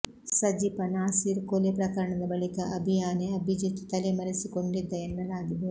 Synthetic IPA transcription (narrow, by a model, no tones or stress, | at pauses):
sɐd͡ʒipɐnaːsiːɾkolepɾɐkɐɾɐɳɐd̪ɐbɐɭikɐʔɐbʱijaːneɐbʱid͡ʒit̪ːu̥t̪ɐlemɐɾisikoɳɖid̪ːɐenːɐlaːɡid̪ɐ